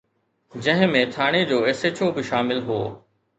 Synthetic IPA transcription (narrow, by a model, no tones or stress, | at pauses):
d͡ʑɐ̃ɦɪ̃mẽt̪ʰaːɽ̃ed͡ʑoːeːseːt͡ɕobɪʃaːmɪlɦo̰ː